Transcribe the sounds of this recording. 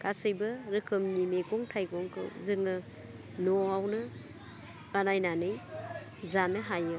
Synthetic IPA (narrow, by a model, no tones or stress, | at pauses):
kasɯjbɯɾɯkʰɯmnimeɡɔŋtʰajɡɔŋkʰɯ̰zɯŋɯ | nɔawnɯ | banajnanɯj | zanɯɦajɯ